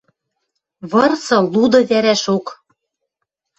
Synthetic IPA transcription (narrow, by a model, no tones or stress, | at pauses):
βɤ̆rsɤ̆lud̪ɤ̆βæɾæʃok